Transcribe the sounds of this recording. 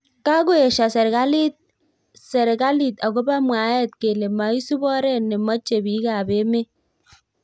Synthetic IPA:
ka˦ɡʊ˦e˨ʃa˨sɛ˨ɾɡa˦li˦t̚ | sɛ˨ɾka˦li˨t̪a˨ɡo˦ba˦mwa˨˦jɛ˦˨t̪̚ke˨le˨ma˨˦i˦su˦bɔ˦ɾɛ˦ne˨mɔ˦t͡ʃe˨bi˨˦ka˨be˨˦me˦

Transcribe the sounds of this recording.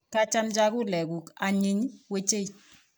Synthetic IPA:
ka˦t͡ʃa˦md͡ʒa˦ku˦lɛ˨ɡu˨ka˨ɲi˦ɲwe˦t͡ʃe˦˨j

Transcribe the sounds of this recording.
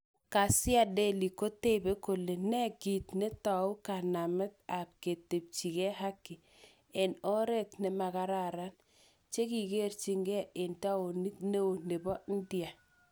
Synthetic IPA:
ka˨sɪ˦a˦de˦li˨ko˦te˦be˦ko˨le˨nɛ˦ɡi˨tne˦ta˨u˦ka˨na˨mɛ˦t̪̚a˨p̚ke˨te˨p̚t͡ʃi˨kɛ˦ɦa˦kːɪ˨ | ɛ˨nɔ˦ɾɛ˦tnɛ˨ma˨ka˦ɾa˦ɾa˦n | t͡ʃe˦ki˨ɡe˦rt͡ʃi˦ŋɡɛ˦e˨nta˦o˨ni˦tne˦o˨ne˨bɔ˦n̩˦dja˨

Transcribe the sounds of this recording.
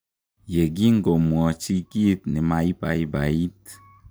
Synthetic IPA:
je˨ɡi˦ŋ̩˦ɡo˨mwɔ˨t͡ʃi˦ki˦t̚ni˨ma˨i˦ba̰˨i˦ba˨i˦t

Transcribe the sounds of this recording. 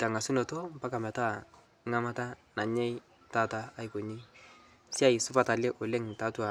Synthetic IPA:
ta˨ŋa˨su˦no˨to˦m˨pa˦ka˨mɛ˨ta˦ | ŋa˦ma˦ta˦na˨ɲɛ˦j | ta˦taː˨˦i˦ko˨ɲi˦ | si˦a˦˨i˨sʊ˦fa˨ta˨lɛ˦ʔo˨le˦ŋta˨˦tu˦a˨

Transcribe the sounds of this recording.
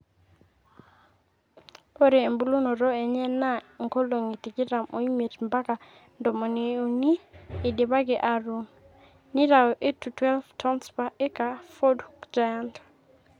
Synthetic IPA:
po˦ɾɛː˨mbu˦lu˦no˨ɾɔ˦ɛ˨ɲɛ˦na˦ŋko˦lo˨ŋi˨ti˨ɡɪ˦ɾa˨mo˨i˦me˨tmba˦ka˨ | ndɔ˨mɔ˨ni˨o˨niː˦˨de˨ba˦ɡɛ˨ʔa˨ɾu˨n | ni˦ɾa˨ɔ˨ʔe˦tu˨twɛ˦lftʰɔ˦nspa˨ʔɛ˦ka˨fo˦dukd͡ʒa˨ja˦ntḁ˨

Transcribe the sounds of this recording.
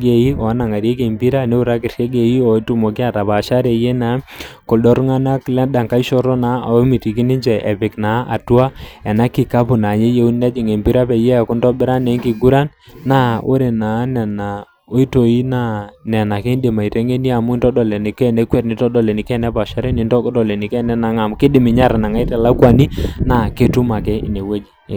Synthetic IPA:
ɡe˨i˦ɔ˨a˦na˨ŋa˨ɾje˦ke˨mbi˦ɾa˦ne˦u˦ɾa˦kɪ˨rʃe˦ɡe˨ji˦ɔ˨˦tu˦mo˨ki˦a˨ta˨pa˨ʃa˦ɾe˨je˦na˨˦ko˨ɗɔ˦ɾŋa˦na˦klɛ˦ɗa˨ŋka˦i˦ʃɔ˦ɾɔ˦na˨˦a˨o˦mi˨ti˨ki˦nɪ˦ɲd͡ʒɛ˨ʔɛ˨pɪ˨kna˨˦ʔa̰˨tu˦a˦ɛ˨na˦ki˨ka˦pʊ˨na˨ɲe˦je˨u˦nnɛ˦d͡ʒi˨ŋe˨mbi˦ɾa˦pɛ˨jɛ˦a˨kʊ˦ndɔ˦bɪ˦ɾa˦ne˨˦ŋki˨ɡu˦ɾa˦nːa˦ʔo̰˦ɾe˨na˨˦nɛ˨na˨ | o˦i˦to˨i˦na˦˨nɛ˨na˨ke˦nde˨ma˨i˨te˦ŋe˦ni˦a˨mʊ˦i˦ntɔ˦dɔ˨lɛ˨ni˨kɛ˦nɛ˦kwɛ˦tnɪ˦tɔ˦dɔ˨lɛ˨nɪ˨kɛ˦nɛ˦pa˨ʃa˦ɾɛ˦nɪ˦ntɔ˦kdɔ˨lɛ˨nɪ˨kɛ˦nɛ˦na˨˦ŋa˨m˦kɪ˦dɪ˨mɪ˨ɲa˦ɾa˨na˨ŋa˦i˦tɛ˨la˦kwa˨ni˦na˨ke˦tu˦ma˨kɛ˦ḭ˨ne˨we˦d͡ʒi˨

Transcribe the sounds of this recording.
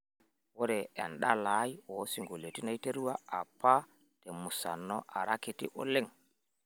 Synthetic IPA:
wo˦ɾɛ˨ɛ̰˨nɗa˦lajwo˨si˨ŋɡo˨lo˨ti˦na˦jte˦ɾu˦wa˦a˨pːa˦ | te˨mu˨sa̰˨nːɔ˦ʔa̰˨ɾa˦ki˨tḭ˦ʔo̰˦le˦ŋ

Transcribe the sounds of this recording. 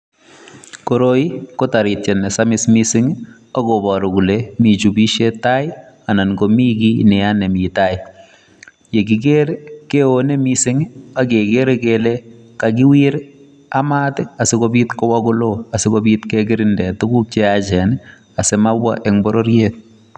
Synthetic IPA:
koɾoi˦ko˦ta˨ɾitt͡ʃɛ˨nɛ˨samɪ˦smisɪŋ | a˦kobɔ˨ɾo˨ɡu˨lemi˨t͡ʃu˨bi˦ʃe˦ta˦ɪ˦ | a˨na˨nɡomi˦ki˦nɛanɛ˨mi˨ta˦ɪ | je˨ɡ̬i˨k̬eɾeke˦one˦misɪ˦ŋ˦a˦ke˨keɾekele | kak̬ɪ˦wiɾ | ama˦tɛ˦a˨sɪ˦ko˦bitkɔ˦wa˦kʊ˦lo˦a˨sɪ˦kobitkɛɡɪ˦ɾɪndɛ˨tu˦ku˦k̚t͡ʃeat͡ʃɛ˨n | a˨semabwa̰˦ʔɛŋbɔ˦ɾo˦ɾjet̚

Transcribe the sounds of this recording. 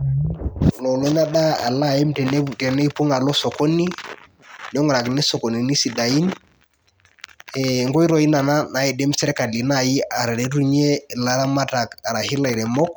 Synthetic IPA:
lɔ˨lɔ˦na˦ɗa˦a̰˨la˦˨ɛ˦mtɛ˨ntɛ˨nɛ˦i˦pu˦ŋa˨lɔ˦sɔ˨kɔ˦ni˦ | n˦ɔ˦ŋ˨ɾa˨knɪ˦sɔ˨ko˨ni˨ni˦si˨da˨i˦n | ɛ˨ŋɡɔ˦i˦ɾɔ˨i˦na˨na˦na˨˦ɛ˨dɛ˦m˦sɛ˦ɾɛ˦ka˨li˨na˨ji˦a˨ɾɛ˨ɾɛ˨ɾu˦ɲe˦˨la˨ɾa˦ma˦ta˨ka˨ɾa˨hi˦la˨i˨ɾɛ˨mɔ˦k̚

